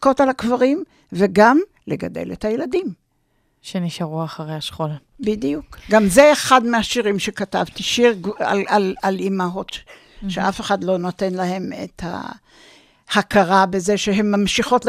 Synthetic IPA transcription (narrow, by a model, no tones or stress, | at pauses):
ko̞talakvaʁim | veɡam | leɡa̰dḛletajeladim | ʃeniʃaʁuaχaʁejaʃχola | bidijukɡamzeːχadmeaʃiʁimʃe̞kata̰vt̪iʃiʁɡa̰lalalimaɦo̞t | ʃeafeχadlo̞no̞te̞nlahe̞mḛtha̰ | hakaʁabezeʃeɦe̞mːamʃiχo̞t